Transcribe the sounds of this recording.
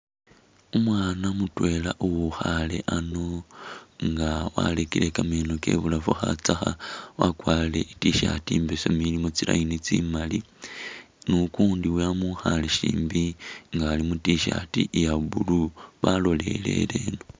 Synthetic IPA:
umwaːnamutwe̞laʔuwuxale̞̰ʔano | ŋɡawa̰lekile̞kameːnoke̞̰βulafuxat͡saxawakwaːle̞ʔitiʃa̰tiːmbesomilimot͡sila̰init͡simali | nukuːndiwamuxaleʃḭːmbiŋɡaːlimutiʃatijaβuluβalo̞le̞̰le̞̰leːno

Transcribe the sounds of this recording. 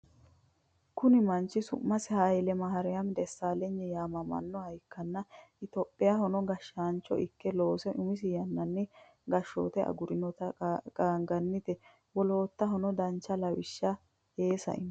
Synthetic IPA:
kʊnɪmɐnt͡ʃːɪsʊ̰mmːɐsɪhajɪlɛmɐɦɐɾɛjɐmd̪ɛsːaːlɛɲːɛjaːmɐmɐ̰nːɔhɐjkːɐnːɐɪt̪opʼːɪjahɔnɔɡɐʃːaːnt͡ʃːɔ̰ʔɪkːɛlo̞ːsɛʔʊmɪs̬ɪjɐnːɐnːɪ | ɡɐʃːo̰ːt̪ɛʔɐ̰ɡʊɾɪnɔt̪ɐkʼaːŋɡɐnːɪt̪ɛ | wɔlo̞ːt̪ːɐɦɔnɔd̪ɐnt͡ʃːɐlɐwɪʃːɐ | eːsɐ̰ʔɪ̰n

